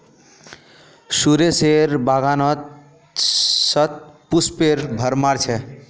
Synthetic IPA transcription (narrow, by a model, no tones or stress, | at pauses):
suɾeseɾbaɡanɔt̪̚ | sʌt̪̚puspeɾbʱəɾmaɾt͡ʃʰe